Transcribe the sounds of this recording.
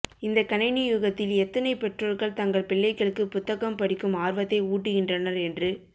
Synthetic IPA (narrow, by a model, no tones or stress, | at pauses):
ɪnd̪ɐkɐnɐɪnɪjuɣɐt̪ːɪlɛt̪ːɐnɐɪpɛʈroːlɣɐɭt̪ɐŋɡɐɭpɪɭːɐɪkːɐɭɯkːɯpʊt̪ːɐɣɐmpɐɽɪkːɯmaːɾʋɐt̪ːɐɪuːʈːɯɣɪndrɐnɐɾɛndrɯ